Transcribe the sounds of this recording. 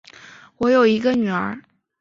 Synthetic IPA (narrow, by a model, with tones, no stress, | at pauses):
wɔ˧˥jo˨˩ʊi˧˥ɡə˧ny˨˩ə˞˧˥